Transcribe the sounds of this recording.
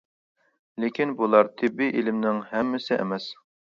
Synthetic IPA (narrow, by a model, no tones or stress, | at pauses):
lekʲinbulˠɑɾt̪ʰɪbːiʔelɪmnɪŋhɛmːɪsɪʔɛ̰mɛs